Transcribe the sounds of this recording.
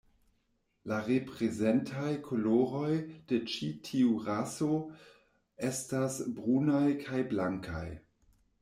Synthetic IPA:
laʁepʁezentʰajkʰoloɾo̞jd̥et͡ʃitʰiuʁaso | estasbʁunajkʰajblaŋkʰa̰j

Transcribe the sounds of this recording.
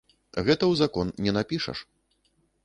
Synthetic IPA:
ɣɛt̪ɐwzakɔnnʲɛnapʲiʂɐ̰ʂ

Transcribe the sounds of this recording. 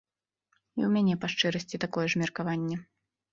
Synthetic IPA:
iwmʲanʲɛpaʂt͡ʂɛɾɐsʲt͡sʲit̪akɔjɛʐmʲɛrkavanʲːɛ

